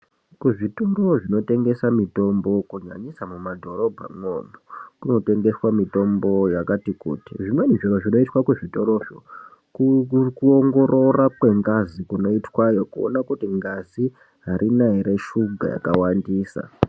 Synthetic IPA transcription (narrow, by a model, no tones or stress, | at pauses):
kuʐitoɾoʐino̞te̞ŋɡe̞samito̞mbo̞kuɲa̰ɲisamumadʱo̞ɾo̞bʱa̰mwonokuno̞te̞ŋɡe̞swamito̞mbo̞jakatikṵːtiʐimwe̞niʐiɾoʐino̞itwakuʐito̞ɾo̞ʐo | kuoŋɡo̞ɾo̞rakwe̞ŋɡazikuno̞itwajo̞kuo̰nakutiŋɡazi | ɦaɾʔinaɦiɾe̞ʃuɡʱa̰ja̰kawandiːsa̰